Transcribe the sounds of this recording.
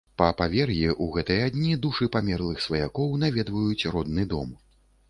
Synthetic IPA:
pɐpavʲɛrɣʲiʔuɣɛt̪ɨjɐad̪ʲnʲid̪uʂɨpamʲɛrlˠɨxsvɐjakɔwnavʲɛd̪vɐjut͡sʲrɔd̪nɨd̪ɔm

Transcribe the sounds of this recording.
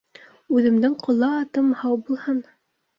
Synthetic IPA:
ʉðɘ̆md̪ɘŋqʰŏlˠːɑːt̪ɤmhɑwbulˠhɤn

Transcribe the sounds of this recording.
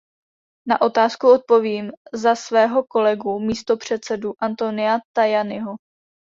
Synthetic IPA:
naʔo̞t̪aːskuo̞t̪̚po̞viːmzasvɛːɦo̞ko̞lɛɡumiːst̪o̞pr̝̥ɛt̪t͡sɛduʔant̪o̞nɪat̪ajanɪɦo

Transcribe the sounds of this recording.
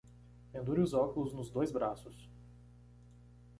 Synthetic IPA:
pẽnd̪uɾɪʊzɔkʊlʊznʊzd̪ojzbɾasʊs

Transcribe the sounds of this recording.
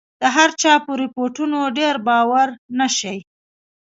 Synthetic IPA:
d̪̥əɦaɾt͡ʃɑpəɾɪpoʈunoɖeɾbɑwaɾnaʃəj

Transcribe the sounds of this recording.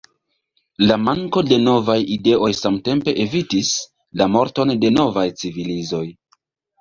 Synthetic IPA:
lamaŋko̞de̞no̞vajide̞ʔo̞jsamte̞mpe̞ʔevitis | lamo̞ɾto̞nde̞no̞vajt͡sivilizo̞j

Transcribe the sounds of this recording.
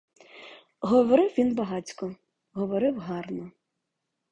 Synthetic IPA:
ɦɔʋɔɾɪwʋʲinbɐɦɑt͡sʲkɔ | ɦɔʋɔɾɪwɦɑrnɔ

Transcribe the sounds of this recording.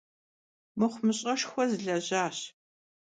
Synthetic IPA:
mɨχʷmɨɕʼɐʃxʷɔzɨɮɐʑaːɕ

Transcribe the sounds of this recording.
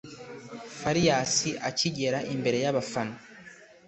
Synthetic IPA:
faɾijasiʔaciɟe̞ɾaʔimbe̞ɾe̞jaβafano

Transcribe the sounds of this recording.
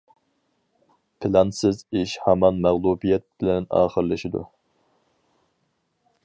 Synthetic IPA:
pʰɪlɑnsɪziʃhɛmɑnmæʁlˠubijɛt̪̚bɪlɛnɑ̰ːχəɾlɨʃid̪ṵ

